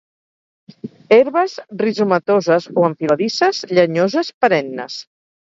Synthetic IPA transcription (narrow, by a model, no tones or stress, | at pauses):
eɾβəzrizumət̪ozəzoəɱfilaðisəzʎəɲozəspəɾɛnːə̰s